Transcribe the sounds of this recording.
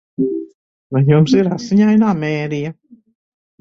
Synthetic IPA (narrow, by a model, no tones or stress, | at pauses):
vajumsiɾasiɲajnaːmeːɾija